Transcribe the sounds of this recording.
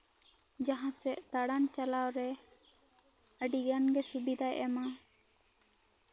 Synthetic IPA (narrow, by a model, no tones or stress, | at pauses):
d͡ʒaɦãsɛʔt̪aɽant͡ʃalawɾɛ | əɖiɡanɡɛsubid̪ʱajʔɛma